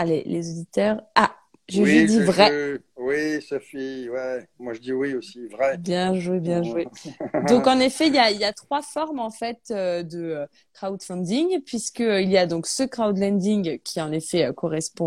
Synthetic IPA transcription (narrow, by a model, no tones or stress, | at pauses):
alḛlezod̪it̪œːʁa | ʒeʒed̪ivʁɛ | wisafiwɛmwaʒəd̪iwiosivʁɛbjɛ̃ʒwebjɛ̃ʒwed̪ɔ̃kɑ̃nefɛiljailjat̪χwafɔʁmɑ̃fɛt̪ød̪əø | kχaud̪fɛ̃d̪iŋpɥiskəilijad̪ɔ̃ksəkχawd̪lɛ̃d̪iŋkʲʰiɑ̃nefɛøkɔʁɛspɔ̃